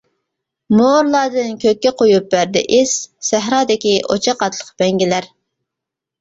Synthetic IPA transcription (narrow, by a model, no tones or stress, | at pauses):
moɾlˠɑːd̪ɨnkʲʰøk̚ʲːɛqʰojup̚bæɾd̪ɛ̰ʔɪssæɦɾɑːd̪ɪkʲiʔot͡ʃʰɑqɑt̪ʰlˠəqbɛŋɡʲilæɾ